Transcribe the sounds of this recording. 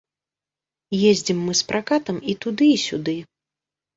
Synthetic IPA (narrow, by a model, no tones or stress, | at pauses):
jezʲd͡zʲimːɨspɾʔakat̪ɐmit̪ud̪ɨisʲud̪ɨ